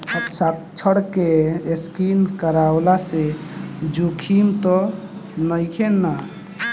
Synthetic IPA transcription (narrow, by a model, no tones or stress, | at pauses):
əpsak̚ | t͡ʃʰəɽkeeskinkəɾawlased͡ʒukʰimt̪ɔ | nəjkʰena